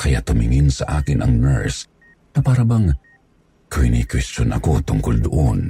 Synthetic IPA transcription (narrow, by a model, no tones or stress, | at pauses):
kɐja̰t̪ʊmɪŋɪnsɐʔaːkɪnʔɐŋnɛ̰ɹs | nɐpaːɾɐbɐŋ | kɐhɪnikwɛst͡ʃonɐ̰ko̞t̪ʊŋkold̪ʊʔon